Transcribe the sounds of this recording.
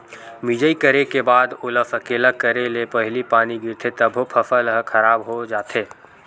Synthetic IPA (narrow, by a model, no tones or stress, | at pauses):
mid͡ʒəikəɾekebaːd̪oːləfəkeːlakəɾelepəɦɪlipaːniɡɪɾt̪ʰet̪əbʱopʰəfəlɦəkʰəɾaːbɦod͡ʒaːt̪ʰeː